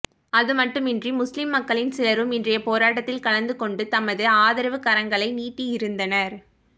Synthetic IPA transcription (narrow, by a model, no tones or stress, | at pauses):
ɐðɯmɐʈːɯmɪndrimʊslɪmːɐkːɐɭɪnsɪlɐɾɯmɪndrɐjɐpoːɾaːʈːɐt̪ːɪlkɐlɐnd̪ɯkɔɳɖɯt̪ɐmɐðɯaːðɪɾɐʋɯkɐɾɐŋɡɐɭɐɪniːʈːiɪɾɯnd̪ɐnɐɾ